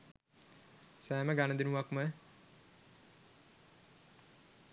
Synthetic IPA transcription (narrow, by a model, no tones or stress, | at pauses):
sæːməɡanəd̪inuʋakmə